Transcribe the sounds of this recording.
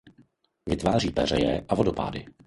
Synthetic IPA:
vɪt̪vaːr̝iːpɛr̝ɛjɛʔavodopa̰ːdɪ

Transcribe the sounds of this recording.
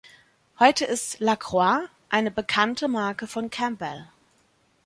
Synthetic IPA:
hɔʏtəɪstlakʁ̥wa | ʔaɪnəbəkʰantʰəmaɐkəfɔnkʰɛmbɛl

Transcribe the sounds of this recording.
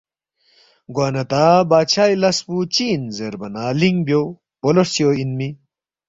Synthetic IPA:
ɡwaːnɐt̪aːbaːt͡ɕʰaːjlɐsput͡ɕiːnzeɾbɐnaːliŋɡbjo | polosjoinmi

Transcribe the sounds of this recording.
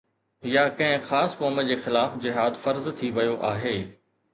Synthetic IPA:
jakɐ̃ɦɪ̃xaːskoːməd͡ʑeːxɪlaːfd͡ʑɪɦaːd̪fɐɾzt̪ʰiʋɐjoʔaːɦeː

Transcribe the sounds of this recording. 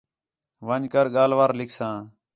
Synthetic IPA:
ʋəɲkəɾɠaːlʋaːɾlɪkʰsãː

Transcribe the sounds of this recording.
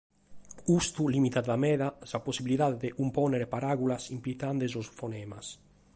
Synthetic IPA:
ust̪ulimit̪ad̪lamɛðasaposibilit̪ad̪d̪eʔumpɔneɾepaɾaɡulasimplit̪and̪ezosfonɛːmas

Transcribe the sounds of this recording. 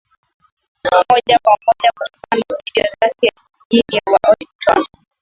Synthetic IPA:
mɔʄakwamɔʄaku̥tɔ̥kamastuɗiɔ̰zakɛ | ʄiniawaʔɔitwa̰

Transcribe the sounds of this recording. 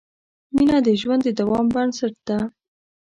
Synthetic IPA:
minɑd̪əʒwand̪əd̪awɑmbaɳsaʈ̚d̪̥a

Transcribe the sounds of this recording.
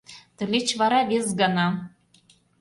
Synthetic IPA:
t̪ɘ̆lʲet͡ɕvɑɾɑβezɡɑnɑ

